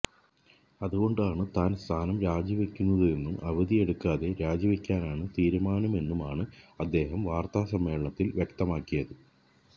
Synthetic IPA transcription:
ɐðuɣo̞ɳɖaːɳɨt̪aːnst̪ʰaːnɐmɾaːd͡ʑiʋɐkʲːunːɐðɨe̞nːumɐʋɐðije̞ɽukːaːðe̞ɾaːd͡ʑɐʋikʲːaːnaːɳɨt̪iːɾumaːnɐme̞nːumaːɳɨɐd̪ːe̞ːɦɐmʋaːrt̪aːsɐmːe̞ːɭɐɳɐt̪ːilʋjekt̪ɐmaːkːijɐðɨ

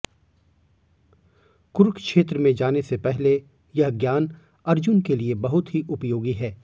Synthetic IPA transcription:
kʊɾkkʃeːt̪ɾəmẽd͡ʒaːnesepɛɦle | jɐɦɡjaːn | ɐɾd͡ʒʊnkeliebɐɦʊt̪ɦiʔʊpjoːɡiɦɛː

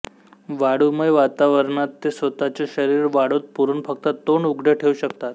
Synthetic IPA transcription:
ʋaɽuməʋat̪aʋəɾɳat̪ːesʋət̪at͡ɕeɕəɾiɾʋaɽot̪̚puɾunfəkt̪ət̪oɳuɡɽeʈʰeuɕəkt̪at̪

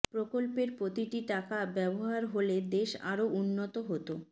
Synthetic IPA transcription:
pɾokolpeɾpɾot̪iʈiʈakabɛboɦaɾɦoled̪eʃa̰ɾoʔunːot̪oɦot̪o

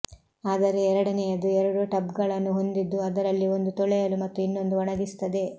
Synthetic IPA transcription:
aːd̪ɐɾe̞ːɾɐɽɐnɛjɐd̪uɛɾɐɽuʈɐbɡɐɭɐnːuɦo̞nd̪id̪ːuɐd̪ɐɾɐlːio̞nd̪ut̪ɔɭɛjɐlumɐt̪ːuinːo̞nd̪uɐɳɐɡ̪ist̪ɐd̪e̞

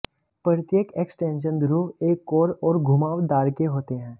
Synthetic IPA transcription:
pɾəɾɪt̪jekeːksʈẽːnʃ̬ə̃nd̪ɾuːɦeːkːoːɾɔːɾɡʱʊmaːʋd̪aːɾkeɦoːt̪eɦɛ̃ː

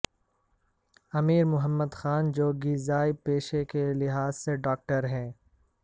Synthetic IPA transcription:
ɐmiːɾmʊɦəmːəd̪xaːnd͡ʒoːɡizaːipeːʃekelɪɦaːzseɖɔːk̚ʈəɾɦɛ̃ː

